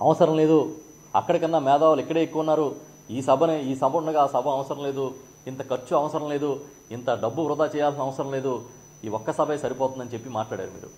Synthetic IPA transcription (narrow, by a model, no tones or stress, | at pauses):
ɐ̰ʋɐsɐɾɐmle̞ːd̪u | ɐ̰kːɐɽɐkɐnːaːmɛːd̪aːʋulikːɐɽe̞ːekːuʋɐnːaːɾu | iːsɐbʱɐneiːsɐbʱuɐɳɐɡaːsɐbʱɐɐʋɐsɐɾɐmle̞ːd̪u | int̪ɐkɐɾt͡ʃːuɐʋɐsɐɾɐmle̞ːd̪u | int̪ɐɖɐbːuɾʊd̪aːt͡ʃɛːjaːlsinɐʋɐsɐɾɐmle̞ːd̪u | iːɔkːɐsɐbʱɐjsɐɾipɔːt̪und̪ɐnit͡ʃe̞pːimaːʈlaːɽja̰ːɾumḭːɾṵ